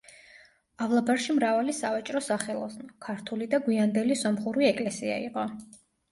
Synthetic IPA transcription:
avlˠabaɾʃimɾavalisavat͡ʃʼɾɔsaχɛlˠɔ̰snɔkʰaɾt̪ʰulid̪aɡwiand̪ɛlisɔmχuɾiɛkʼlɛsia̰ḭqʼɔ

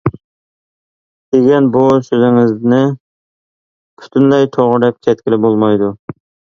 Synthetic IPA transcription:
d̪̥eɡʲɛnbusøzɪŋɪznɪ | pʰy̥t̪ʰynlɛjt̪ʰoʁʊɾɛp̚kʲʰɛt̪̚kʲɪlɪbolˠmɑjd̪u

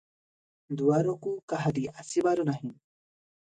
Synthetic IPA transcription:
d̪uaɾokukaɦad̪iʔasibaɾunaɦĩ

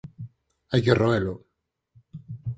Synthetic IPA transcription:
ajkeroelo

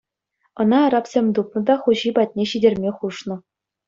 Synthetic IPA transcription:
ɤ̆nɑːɾɑpsʲemʲt̪up̚nɤ̆d̪ɑχuʑibɑt̚ʲnʲeɕidʲerʲmʲeχuʂnɤ̆

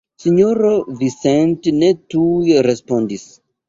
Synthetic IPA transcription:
siɲoɾovisẽntnetujeɾespondis

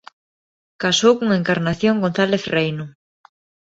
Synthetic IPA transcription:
kasowkuŋaeŋkaɾnaθjoŋɡon̟θaleθrejnʊ

